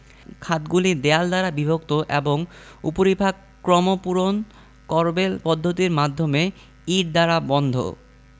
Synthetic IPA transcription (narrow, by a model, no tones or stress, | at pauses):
kʰat̪ɡulid̪eald̪aɾabibʱok̚t̪oʔeboŋṵpoɾibʱaɡ | kɾɔmopuɾon | kɔɾbelpɔd̪ʱːot̪iɾmad̪ʱːome | iɖ̚d̪aɾabɔnd̪ʱo̰